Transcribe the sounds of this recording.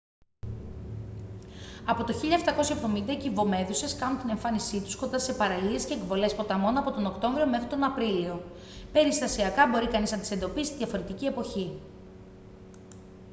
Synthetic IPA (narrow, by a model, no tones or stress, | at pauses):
ɐpo̞t̪o̞çiʎɐeft̪ɐko̞sçɐevðo̞mind̪ɐcivo̞me̞ðuse̞skɐnunt̪ine̞ɱfɐnisit̪u̥sko̞nd̪ɐse̞pɐɾɐlie̞sce̞ːkvo̞le̞spo̞t̪ɐmo̞noɐpo̞t̪o̞nokt̪o̞ɱvɾio̞me̞xot̪o̞nɐpɾilio̞ | pe̞ɾist̪ɐsiɐkɐbo̞ɾikɐniznɐt̪i̥se̞nd̪o̞pisi̥t̪iðʝɐfo̞ɾe̞t̪icie̞po̞çi